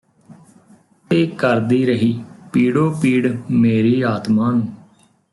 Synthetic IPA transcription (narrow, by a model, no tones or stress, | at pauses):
t̪eːkəɾd̪iːɾəɦiːpiːɽoːpiːɽmeːɾiːaːt̪maːnũː